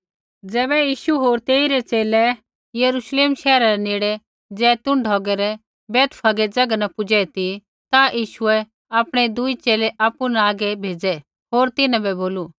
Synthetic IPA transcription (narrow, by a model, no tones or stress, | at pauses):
d͡zɛːβɛjiːʃuɦoːɾt̪eːiɾɛt͡seːlɛ | jɐɾuʃleːmʃɛːɾaɾɛneːɽɛ | d͡zɛːt̪ʊ̃ɳɖʱɔːɡɛɾɛ | bɛːt̪pʰɐɡɛd͡zɐɡanapʊd͡ʒɛt̪i | t̪ajiːʃuɛ | aːpɽ̃ed̪ʊit͡ʃeːleʔaːpːunaaːɡɛbʱeːd͡zɛ | ɦoːɾt̪ɪnãbɛboːlu